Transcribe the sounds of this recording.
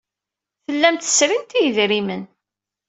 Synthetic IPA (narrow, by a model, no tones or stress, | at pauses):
θəlːæmt̪ə̥sɾint̪ijəðɾimən